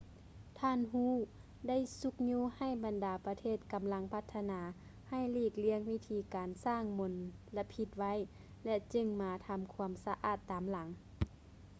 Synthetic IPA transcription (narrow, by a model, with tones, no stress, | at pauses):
t̪ʰaː˧˥˨nɦuː˧˥˨ | da˥˨jsu˧˦k̚ɲuː˧˥ha˧˩jba˨ndaː˨˦pa˧t̪ʰeː˧˥˩t̪̚ka˨mla˧˥ŋpʰa˧˥t̪ʰːa˧naː˨˦ | ha˧˩jliː˧˩k̚li˧˥əŋwi˧˥˩t̪ʰiː˧˦kaː˨nsaː˥˩ŋmo˨˧˦nla˧pʰi˧t̪̚ʋa˧˥˨j | lɛ˧t͡ɕɯ˧ŋmaː˨˧t̪ʰa˧mkʰu˧˦əmsa˧ʔa̰ː˧˩t̪ːaː˨mla˨˦ŋ